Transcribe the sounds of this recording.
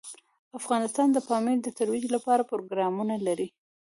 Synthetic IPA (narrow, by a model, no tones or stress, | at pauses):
afɣɑnɪst̪ɑnd̪əpɑmid̪ət̪aɾwid͡ʒlapɑɾapɾoɡɾɑmunalaɾi